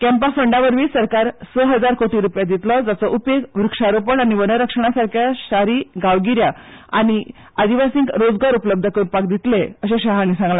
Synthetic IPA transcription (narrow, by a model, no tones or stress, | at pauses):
kɛmpafəɳɖaʋəɾʋiːsəɾkaɾsəɦəd͡zaɾkoʈ̪iɾupjad̪it̪lɔd͡zat͡sɔʔupekʋɾukʂaɾopəɳañiʋənəɾəkʂəɳ̃asaɾkʰjaɕaɾiːɡaʋɡiɾjaa̰ñi | ad̪iʋasĩːŋkɾod͡zɡaɾupləb̚d̪ʱəkəɾunpakd̪it̪leəɕẽɕaɦañisãŋɡla